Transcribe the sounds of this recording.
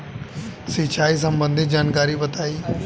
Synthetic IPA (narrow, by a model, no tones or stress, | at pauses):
sit͡ʃaːis̬əmbə̃nd̪ʱɪt̪̚d͡ʒaːnkaːɾibɐt̪aːiː